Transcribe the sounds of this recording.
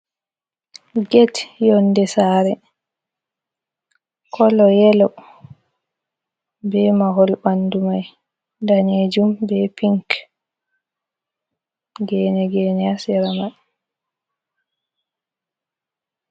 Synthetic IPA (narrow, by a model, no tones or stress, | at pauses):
ɡetjɔnːdɛsaɾɛ | kʰɔlɔjɛlɔ | bɛmaɦolbandumaj | daned͡ʒumbɛpiŋk | ɡɛnɛɡɛːnɛasɛɾama